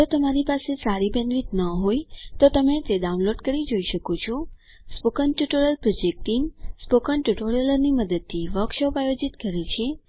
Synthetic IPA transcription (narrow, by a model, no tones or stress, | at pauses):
d͡ʒot̪əmaɾipasesaɾibə̃nd̪ʋit̪nəɦojt̪ot̪əmet̪eɖaunloɖkəɾid͡ʒoiʃəkot͡ʃʰɔ | spokənʈjuʈoɾəlpɾod͡ʒek̚ʈiŋɡspokənʈuʈoɾjələɾniməd̪əd̪̚t̪ʰːiʋəkʃopajod͡ʒit̪kəɾet͡ʃʰe